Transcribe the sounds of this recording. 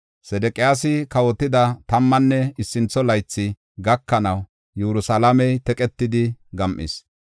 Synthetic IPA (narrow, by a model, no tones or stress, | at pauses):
sɛd̪ɛkʼɪjaːsɪkɐwɔt̪ːɪd̪ɐt̪ɐmːɐnːɛɪsːɪnt͡sːɔlɐjt͡sːɪ | ɡɐkːɐnɐw | jɛɾʊsɐlɐmɛjt̪ɛkʼɛt̪ːɪd̪ɪɡɐmʔɪ̰s